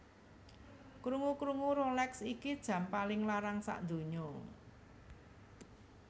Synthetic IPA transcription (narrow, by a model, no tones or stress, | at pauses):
kɾuŋukɾuŋuɾolɛksikid̥ʒ̥ä̤mpalɪŋlaɾaŋsa̰ʔnd̪o̤ɲo